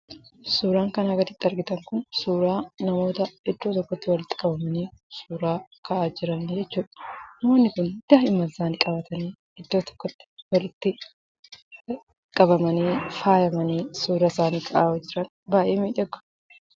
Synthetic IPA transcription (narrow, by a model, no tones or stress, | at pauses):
suːɾaːŋkɐnɐɡɐt̪ɪt̪ːɐɾɡɪt̪ɐŋkʊnsuːɾaːnɐmo̞ːt̪ɐɪd̪ːoːt̪ɔkːɔt̪ːɪwɐlɪt̪ːɪ̥kʼɐbɐmɐniːsuːɾaːkʰɐʔaːd͡ʒɪɾɐnːd͡ʒɛt͡ʃːuːᶑɐ̥ɐmoːnːɪkʊnd̪̥ɐhɪmːɐzaːnɪkʼɐbɐt̪ɐniː | ɪd̪ːoːt̪ɔ̥kːɔt̪ːɪ̥wɐlɪt̪ːɪ | kʼɐbɐmɐniːfaːjɐmɐniːsuːɾɐsaːniːkʰɐʔaːd͡ʒɪɾɐn | baːʔeːmiːᶑɛɡːʊ̥